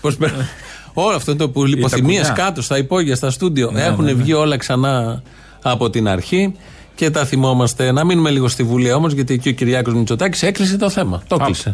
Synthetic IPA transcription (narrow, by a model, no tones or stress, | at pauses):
pospeɾ | o̞loɐft̪ont̪oipipoθimieskɐt̪o̞st̪ɐipo̞ʝiɐst̪ɐst̪ud̪io̞e̞xune̞vʝio̞lɐksɐnɐː | po̞t̪inɐɾçi | ce̞t̪ɐθimo̞mɐst̪e̞nɐminume̞liɣo̞st̪ivuliɐo̞mo̞zʝɐt̪iecio̞ciɾʝɐko̞zmit͡so̞t̪ɐci̥se̞klis̬et̪o̞θe̞mɐt̪oklise